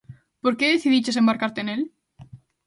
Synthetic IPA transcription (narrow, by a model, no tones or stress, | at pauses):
poɾkeðeθiðit͡ʃesembaɾkaɾt̪enel